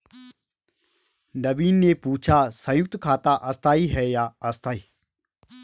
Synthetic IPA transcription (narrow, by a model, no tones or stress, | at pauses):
nɐbiːnːepuːt͡ʃʰasə̃jʊk̚t̪kʰaːt̪aʔɐst̪ʰaːiɦɛːjaɐst̪ʰaːiː